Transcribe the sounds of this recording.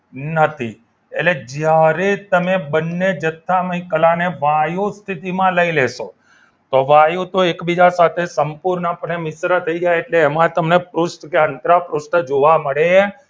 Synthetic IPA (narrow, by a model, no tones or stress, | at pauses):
nət̪ʰi | ḛʈled͡ʒjaɾet̪əmebənːed͡ʒət̪ʰːaməĩkəlaneʋajũst̪ʰit̪imãləileʃo | t̪oʋajũt̪oekbid͡ʒasat̪ʰesəmpuɾnapəɳemɪsɾət̪ʰəid͡ʒajeːʈleːmãt̪əmnepɾusʈkeənt̪ɾapɾusʈəd͡ʒoʋaməɽe